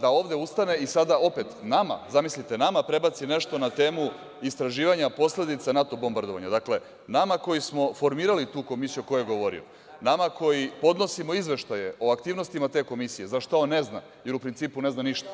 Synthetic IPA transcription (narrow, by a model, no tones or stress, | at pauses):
d̪ao̞ːʋd̪e̞ust̪ane̞isad̪ao̞pe̞t̪nama̰zamislit̪e̞namapɾe̞bat̪sine̞ʃt̪o̞nat̪e̞ːmu | ist̪ɾaʒiːʋaɲapo̞sle̞d̪it̪sanat̪o̞bo̞mbaɾd̪o̞ʋa̰ɲad̪akle̞ | namako̞jismo̞fo̞ɾmiːɾalit̪uːko̞misijuko̞jujeɡo̞ʋo̞ɾḭo̰ | namako̞jipo̞d̪no̞simo̞izʋe̞ʃt̪aje̞ʔo̞akt̪iːʋno̞st̪imat̪e̞ːko̞misije̞zaʃt̪aonːe̞zna̰ | je̞ɾupɾint̪siːpune̞znaniʃt̪ḁ